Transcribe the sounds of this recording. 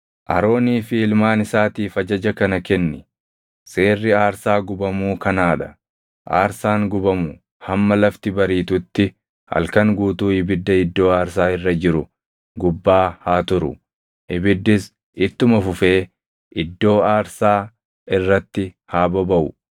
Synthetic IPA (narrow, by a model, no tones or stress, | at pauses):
ʔɐ̰ɾo̞ːniːfɪɪlmaːnɪsaːt̪iːfɐd͡ʒɐd͡ʒɐkɐnɐkɛnːɪ | se̞ːrːɪaːɾsaːɡʊbɐmuːkɐnaːᶑɐ | ʔa̰ːɾsaːŋɡʊbɐmʊ | hɐmːɐlɐft̪ɪbɐɾiːt̪ʊt̪ːɪ | hɐ̰lkɐŋɡuːt̪uːɪbɪd̪ːɐɪd̪ːo̞ːaːɾsaːɪrːɐd͡ʒɪɾʊ | ɡʊbːaːhaːt̪ʊɾʊ̰ | ʔɪbɪd̪ːɪs | ɪt̪ːʊmɐfʊfe̞ː | ʔɪd̪ːo̞ːaːɾsaː | ɪrːɐt̪ːɪ | haːbɐbɐʔʊ